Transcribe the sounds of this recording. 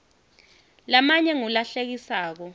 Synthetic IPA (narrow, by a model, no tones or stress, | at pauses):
lamaɲɛŋulaɬek̬isaːk̬ɔ